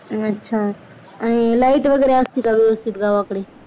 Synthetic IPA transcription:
ətːʃʰaː | ənẽːlaːɪʈʋəɡeːɾeəst̪ikaʋɪʋəst̪it̪ɡaːʋkɽeː

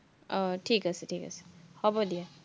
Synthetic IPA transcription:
ʈʰikaseʈʰika̰se̥hɔbɔd̪ija

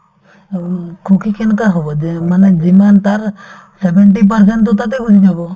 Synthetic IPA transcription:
kʰukikʰɛnkaɦobɔd͡ʒɛmaned͡ʒimant̪aɾ | sebɛɳʈ̬ip̬aɾs̬ɛɳʈt̪ɔt̪at̪̬ɛɡud͡ʒʱid͡ʒabɔ

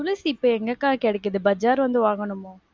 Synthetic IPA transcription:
ʊlɐsɪpːoːɛŋɡɐkːaːɣɐkɛɽɛkːɯðɯbɐd͡ʒaːɾʋɐnd̪ɯʋaːŋɡɐɳɯmoː

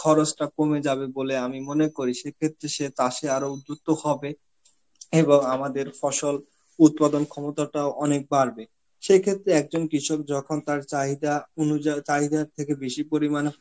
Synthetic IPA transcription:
kʰɔɾot͡ɕʈakomed͡ʑaβeboleamimonekoɾiʃekʰet̪ːɾeʃet̪aʃeaɾoud͡ʑuk̚t̪ohɔbe | eboŋamad̪eɾfɔʃol | ut̪̚pad̪onkʰɔmot̪aʈaoʔɔnek̚baɾbe | ʃekʰet̪ːɾeɛk̚d͡ʑonkɾiʃok̚d͡ʑɔkʰont̪aɾt͡ɕaɦid̪aunuat͡ɕaɦid̪aɾt̪ʰekebiʃipoɾiman

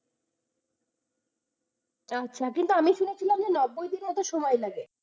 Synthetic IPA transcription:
atːɕʰakint̪uamiʃunet͡ɕʰilamd͡ʑenɔbːojd̪inmɔt̪oʃɔmɔelaɡe

